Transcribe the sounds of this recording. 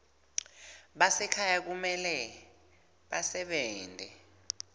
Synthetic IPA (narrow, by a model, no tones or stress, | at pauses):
ɓasɛkʰajak̬umɛlɛ | ɓasɛɓɛːndʱɛ̰